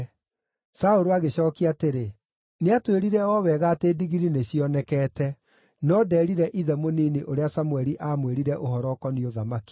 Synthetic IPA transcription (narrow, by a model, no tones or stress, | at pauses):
saoɾoaɣeɕɔːkiateɾe | neatweɾiɾɛɔwɛɣaːtediɣiɾineɕiɔnɛkɛːtɛ | nɔdɛːɾiɾɛʔiðɛmoniːniʔoɾeasamwɛɾiʔaːmweɾiɾɛʔoɦɔɾɔkɔnioðamaki̥